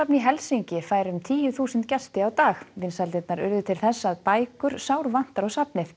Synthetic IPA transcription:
apniɦɛlsiɲcɪfaːjɾʏmt̪ʰiːjʏθuːsʏnt̪cɛst̪ɪawt̪aːxvɪnsalt̪ɪt̪naɾʏ̰ɾðʏt̪ʰɪlθɛsːaːðpaːjkʏɾ̥saːwɾvan̥t̪aɾɔɣsapnɪ

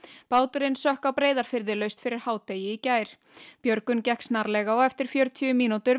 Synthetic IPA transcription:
paːwt̪ʏɾɪnsœhkawpɾeːjðaɾ̥fɪɾðɪlœɥst̪fɪɾɪɾ̥haːwt̪ejɪicaːjɾ̥ | pjœɾkʏncɛhksnaɾlɛːɣaɔɣɛft̪ɪɾ̥fjœɾt̪ʰyʏmiːnut̪ʏɾ

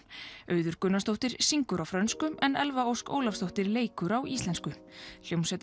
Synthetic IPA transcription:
œːɥðʏɾ̥kʏnːast̪owht̪ɪɾ̥siŋkʏɾawfɾœnskʏmɛnɛlvaowsko̰ːwlafst̪owht̪ɪɾleːjkʏɾawist̪ɛnskʏljownsɛt̪

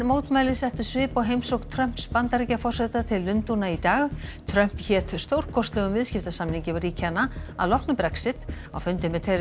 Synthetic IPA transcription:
mowt̪maːjlɪsɛht̪ʏsvɪːpɔwɦejmsowkt̪ʰɾœm̥pspant̪aɾicafɔr̥sɛt̪at̪ʰɪlːʏnt̪unait̪aːɣt̪ʰɾœm̥pçɛːt̪st̪owɾ̥kʰɔst̪lɛɣʏmvɪðscɪft̪asamniŋcɪvriːcʰanːaa̰ðlɔhknʏpɾɛksɪt̪ | a̰wfʏnt̪ɪmɛt̪ʰejɾ

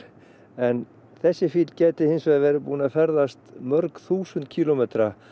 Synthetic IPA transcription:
ɛn | θɛsːɪfiːt̪l̥cɛːt̪ɪhɪnsvɛːðvɛːɾɪpuːnafɛɾðast̪mœɾkθuːsʏnt̪̚cʰiːlomɛːt̪ɾa

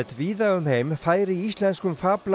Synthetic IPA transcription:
t̪viːðaɣʏmheːjmfaːjɾɪist̪lɛnskʏmfaːpl

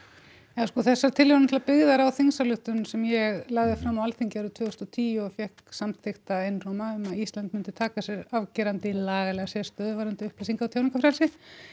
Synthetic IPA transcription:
ɛðaskɔθɛsːaɾt̪ʰɪlvɛɾnt̪ʰlːapɪɣðaɾawθiŋsalʏht̪ʏnsɛmjɛɣlaːɣðɪfɾamːawalθiɲcɪaɾʏðt̪ʰvʏːɣst̪ɔt̪ʰiːjuɔfjɛhksamθext̪aejnrowmaʏmaðist̪lant̪mʏnt̪ɪt̪ʰaːkasjɛɾavcɛːɾant̪ɪlaːɣalɛɣasɛst̪œːðʏvaɾʏnt̪ɪʏhplasiŋkawt̪ʰawniŋkafɾalsɪ

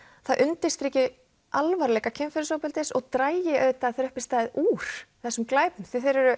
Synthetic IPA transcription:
θaʔʏnt̪ɪst̪ɾɛcɪ | ʔalvaɾlɛːkacʰɪmfɛɾʏsowpɛlt̪ɪsɔɣt̪ɾaːjjɪʔœːɥt̪aθɾœhpɪst̪aːðɪðʔuːɾ̥θɛsːʏmklaːjpnʏθɪθejɾʏɾʏ

